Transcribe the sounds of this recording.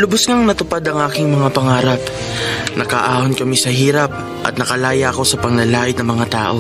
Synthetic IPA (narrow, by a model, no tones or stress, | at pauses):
lʊbʊsŋaŋnɐt̪ʊpad̪ɐŋʔaːkɪŋmɐŋapɐŋaːɾɐp | nʔɐkɐʔaːhonkɐmisɐhiːɾɐp̚ | ʔɐ̰t̪̚nɐkɐlaːjɐʔɐko̞sɐpɐŋlɐlaːʔɪd̪̚nɐŋmɐŋat̪aːʔo̞